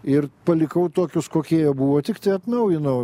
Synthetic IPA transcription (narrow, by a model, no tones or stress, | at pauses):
ɪrpɐlʲɪkɐʊt̪oːkʲʊskoːkʲiɛjɛbuːʋoːt̪ʲɪkt̪ɐɪɐt̪nɐʊjɪnɐʊ